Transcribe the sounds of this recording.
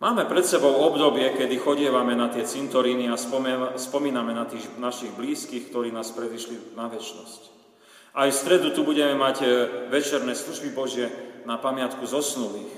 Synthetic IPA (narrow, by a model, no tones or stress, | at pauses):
maːmɛpɾɛt̪sɛbɔʊɔbd̪ɔbɪɛkɛd̪ixɔɟɪɛʋamɛnat̪ɪɛt͡sint̪ɔɾiːniaspɔmiːnamɛnat̪iːɣnaʃiɣbliːskiːxkt̪ɔɾiːnaːspɾɛd̪iʃlinaʋɛt͡ʃnɔsc | ʔajfst̪ɾɛd̪ut̪ubuɟɛmɛmaɟʋɛt͡ʃɛɾnɛːsluʒbibɔʒɪɛnapamɪat̪kuzɔsnuliːx